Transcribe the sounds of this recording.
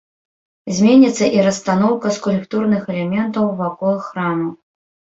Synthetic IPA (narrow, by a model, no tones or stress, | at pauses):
zʲmʲenʲit̪sːɐʔiɾɐst̪anɔwkɐskulʲkt̪urnɨxɛlʲɛmʲɛnt̪ɐwvakɔlˠɨxːɾamɐw